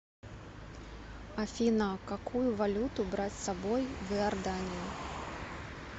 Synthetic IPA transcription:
afʲinakakʰujʊvalʲut̪ʊbɾat͡sʲsabɔjvɨɐrd̪anʲiji

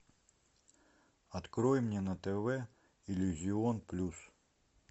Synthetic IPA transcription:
ɐt̪kɾɔjɪmnʲɛnɐt̪ɛvɛ | ilʲuzʲiɔnplʲus

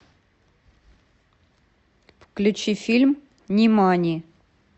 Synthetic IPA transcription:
fklʲʉt͡ɕifʲilʲm | nʲɪmanʲɪ

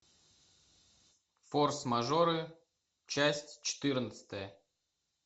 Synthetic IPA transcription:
forsmɐʐoɾɨ | t͡ɕæsʲtʲt͡ɕɪ̥t̪ɨrnət̪sə̥t̪əjə

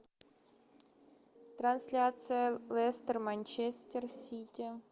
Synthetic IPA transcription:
t̪ransʲlʲat̪sɨjalʲˠest̪ʲermanʲt͡ɕesʲtʲersʲitʲi

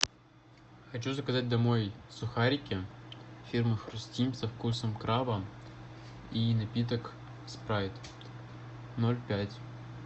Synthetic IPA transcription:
xɐt͡ɕuzəkɐzat̚ʲd̪ɐmo̞jsʊxaɾʲɪkʲɪfʲirmɨfxrʊsʲtʲimʲsɐfkusəmkɾavə | inɐpʲit̪̬ək | spɾavʲɪt̪ʲ | nolʲpʲætʲ

